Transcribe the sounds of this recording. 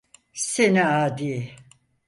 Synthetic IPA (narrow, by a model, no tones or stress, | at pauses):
seniaːd̪iː